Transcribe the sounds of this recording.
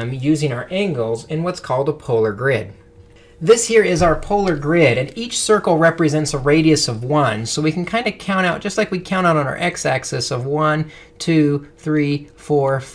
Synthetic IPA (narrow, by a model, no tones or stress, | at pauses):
mjʉzɪ̃ŋaʊə˞ʔæ̃ŋɡl̩ˠzɨ̃nwʌtskʰɔlˠdəpʰoʊlˠə˞ɡɹɪd̚ | ðɪshiɹɪzaʊə˞pʰoʊlˠə˞ɡɹɪɾɨ̃nit͡ʃsɜ˞kl̩ˠɹɛpɹɨzɛ̃ntsəɹeɪɾiɨsʌvwʌ̃nsoʊwikʰn̩kʰãɪ̃ndɨkʰãʊ̃ɾ̃aʊt̚d̥ʒ̥ʌstˡlaɪkwikʰãʊ̃ɾ̃aʊɾn̩a̰ə̰˞ʔɛksæksɨsʌvwʌ̃n | tʰʉθɹifɔɹ